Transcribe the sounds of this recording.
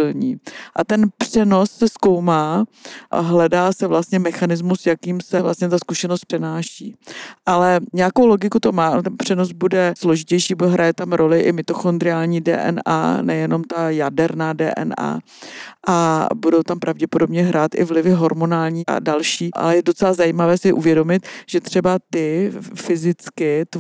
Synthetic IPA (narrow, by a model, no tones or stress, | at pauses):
ɪlɲiːʔat̪ɛnpr̝̥ɛno̞sːɛsko̞wmaː | ɦlɛdaːsɛvlast̪ɲɛmɛxanɪzmusjakiːmsɛvla̰st̪ɲɛt̪askuʃɛnost̪̚pr̥ɛnaːʃiːʔalɛɲɛakowlo̞ɡɪkut̪o̞maːt̪ɛnpr̝̥ɛno̞sbudɛslo̞ʒɪcɛjʃiːbuɛɦɾʔajɛt̪amɾo̞lɪʔɪmɪt̪oxond̪ɾɪaːlɲiːdɛ̰ːʔɛ̰na̰ːnɛjɛno̞mt̪ajadɛɾnaːdɛ̰ːʔɛ̰na̰ː | ʔabudowt̪ampɾʔavɟɛpodo̞bɲɛɦɾaːt̪ʔɪ̰vlɪvɪɦo̞ɾmonaːlɲiːʔa̰dalʃiːʔa̰lɛjɛdo̞t͡sɛlazajiːmavɛːsɪʔuvjɛdo̞mɪt̪ʒ̥ɛt̪r̥ɛbat̪ɪfɪzɪt͡skɪt̪